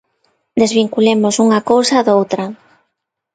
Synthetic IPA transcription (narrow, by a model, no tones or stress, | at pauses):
d̪ezβiŋkulemʊsuŋakowsɐðowt̪ɾɐ